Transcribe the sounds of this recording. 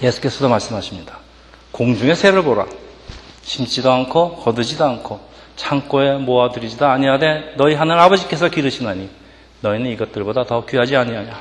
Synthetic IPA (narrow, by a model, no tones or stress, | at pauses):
je̞sʰu̥k͈e̞sʰʌdomaɭs͈ɯmɦaɕʰimɲidḁ | koŋd͡ʑuŋe̞sʰe̞ɾɯɭboɾa̰ | ɕʰimt͡ɕ͈idoankʰokʌdɯd͡ʑidoankʰo | t͡ɕʰaŋk͈oe̞moadɯɾid͡ʑidaːɲijade̞nʌiɦanɯɾabʌd͡ʑik͈e̞sʰʌkiɾɯɕʰinaɲi | nʌinɯniɡʌt̚t͈ɯɭbodatʌkɥiɦad͡ʑiaɲiaɲa